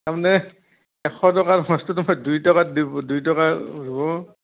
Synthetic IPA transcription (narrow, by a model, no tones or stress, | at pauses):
tamanɛ | ɛkʰɔtɔkaɹmɔstɔtɔmajdujtɔkadibdujtɔkazɔbɔ